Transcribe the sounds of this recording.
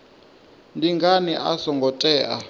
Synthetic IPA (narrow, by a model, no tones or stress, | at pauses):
ndiŋɡaniʔasɔŋɡʱɔtʼɛːʔa̰